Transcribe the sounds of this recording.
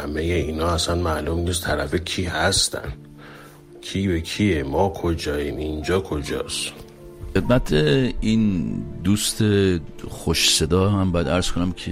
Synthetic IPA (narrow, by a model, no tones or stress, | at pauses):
hæmejeiːnɒːæsænmælumniːst̪ʰæɾæfecʰiːhæst̪ʰæ̰n | kʰiːbekʰiemɒːkʰod͡ʒɒːjiːmind͡ʒɒːkʰod͡ʒɒ̰ːs | e̞d̪̚mæt̪ʰeind̪ust̪ʰexoʃse̞d̪ɒːɦæmbɒːjæd̪æɾz̥kʰonæmkʰe